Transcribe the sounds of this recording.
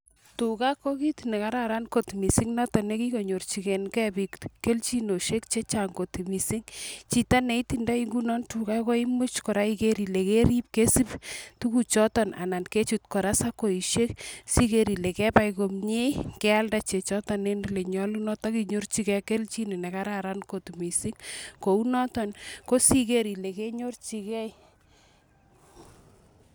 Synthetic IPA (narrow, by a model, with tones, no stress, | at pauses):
tu˨ka˦kːo˦ki˦tne˨ka˦ɾa˨ɾa˦nko˨tmi˨si˦ŋnɔ˦tɔ˨ne˦ki˦ko˨ɲo˨rt͡ʃi˨kɛ˨nkɛ˦bi˨kke˦lt͡ʃi˦no˨ʃe˦k̚t͡ʃe˦t͡ʃaŋɡo˨tmi˨si˦ŋt͡ʃi˨ta˦ne˨i˦tinda˦iŋɡu˦nɔ˦ntu˨ka˦kɔ˦i˦mu˦t͡ʃkɔ˨ɾa˦ike˦ɾi˨le˨ke˦ɾi˦p̚ke˦si˦ptu˦ku˦t͡ʃɔ˦tɔ˨na̰˨na˨nke˦t͡ʃu˨t̚kɔ˨ɾa˦sa˦ko˨i˨ʃe˦ksi˦ke˦ɾi˨le˨kɛ˦pa˦jko˨mɲe˦kɛ˦a˦lda˨t͡ʃe˨t͡ʃɔ˦tɔ˨ne˦nle˨ɲɔ˦lu˦nɔ˦tɔ˦ki˦ɲo˦rt͡ʃi˦kɛke˦lt͡ʃi˦ni˨nɛ˨ka˦ɾaɾa˦nko˨tu˨mi˨si˦ŋko˨u˦nɔ˦tɔ˨nko˦si˦ke˦ɾi˨le˨ke˦ɲo˦rt͡ʃi˨kɛ˦j